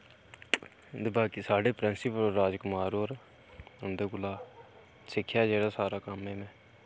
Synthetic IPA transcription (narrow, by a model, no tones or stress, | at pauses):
d̪ɪbaːkiːsaːɖeːpɾɪnsɪpəɾaːd͡ʒkʊmaːɾoɾ | ʊnd̪eːɡʊlaː | sɪkʰːjaːd͡ʒeːɽaːsaːɾaːkəmɦeːmɛ̃ː